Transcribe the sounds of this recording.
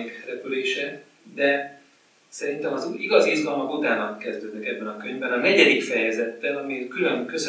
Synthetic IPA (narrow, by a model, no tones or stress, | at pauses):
ikɛɾɛpyleːʃɛ | d̪ɛ | sɛɾint̪ɛmɒzuiɡɒziizɡɒlmɒkut̪aːnɒkːɛzd̪øːd̪nɛkɛbːɛnɒkøɲvbɛnɒnɛɟɛd̪ikfɛjɛzɛt̪ːɛlɒmikylø̞nkø̞s